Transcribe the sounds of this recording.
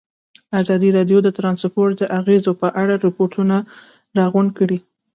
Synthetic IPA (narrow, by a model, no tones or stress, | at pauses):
azɑd̪iɾɑɖjod̪ət̪ɾɑnspoɾʈ̚d̪əʔaɣezopəʔaɽaɾɪpoɾʈʰuna | ɾɑɣʊɳɖ̚kəɽi